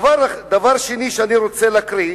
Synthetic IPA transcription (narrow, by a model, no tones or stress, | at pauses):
vaɾd̪avaʁʃeniʃeaniɾot͡selakɾi